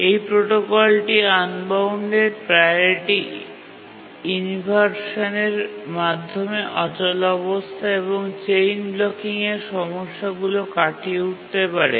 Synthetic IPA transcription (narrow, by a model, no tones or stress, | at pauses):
ejpɾoʈokɔlʈianbawɳɖeɾpɾajɾiʈi | inibʱaɾʃaneɾmad̪ʱːomeʔɔt͡ɕɔlɔbost̪ʰaeβoŋt͡ɕejnblɔkiŋeɾʃɔmoʃːaɡulokaʈiuʈ̚t̪epaɾḛ